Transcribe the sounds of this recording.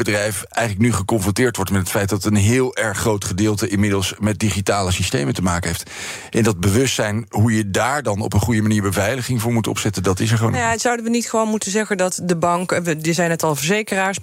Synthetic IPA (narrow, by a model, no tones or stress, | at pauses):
bədrɛjfɛjχələk̚nyχəkɔnfrɔntɪːɹtʋɔɹtmɛtɦətfɛjt̚dɑtənɦɪːlˠʔɛɹχːrowtχədɪːlˠtəʔɪnmɪdəlˠsmɛt̚diχitaːləsistejməntəmaːkənɦejft | ʔɛndɑd̚bəʋɵstsɛjnɦujədaːɹdɑnɔ̰pənχujəmaniːɹbəvɛjləχɪŋvʊːɹmutɔ̰psɛtəndɑtɪs̬ɛɹχəo̰njasʌwdənʋənitχəʋownmutənzɛχəndɑtdəbɑŋkədəzɛjnɛtɑlˠvəɹzejkəraːɹs